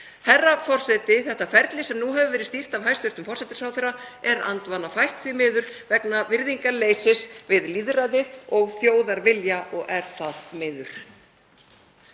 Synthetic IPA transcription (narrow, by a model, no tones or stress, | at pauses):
hɛrːafɔr̥sɛt̪ɪθɛht̪afɛɾt̪lɪsɛmnuɦɛvʏvɛːɾɪðst̪ir̥t̪avɦajst̪ʏɾt̪ʏmfɔrsɛt̪ɪ̥sawθɛraɛɾa̰nt̪vanafajht̪θvimɪːðʏɾ̥vɛknavɪɾðiŋkaɾleːjsɪsvɪðliðɾaðɪðɔɣθjoːwðaɾvɪljaʔɔɣʔɛɾ̥θaθt̪mɪːðʏɾ̥